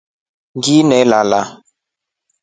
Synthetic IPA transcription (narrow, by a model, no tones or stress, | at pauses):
ŋɡinɛlala